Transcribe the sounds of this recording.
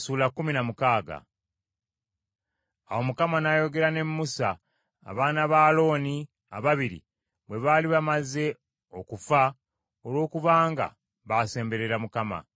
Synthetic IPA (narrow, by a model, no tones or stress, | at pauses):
suːlakːuminamukaːɡa̰ | a̰wo̞mukamanajo̞ɡe̞ɾane̞mːusa̰ː | βaːnaβaːlo̞ːni | a̰βaβiɾḭ | βwe̞βaːliβamaze̞ | o̞kufa | olwo̞ːkuβaːŋɡa̰ | βase̞ːmbe̞ɾeɾamukama̰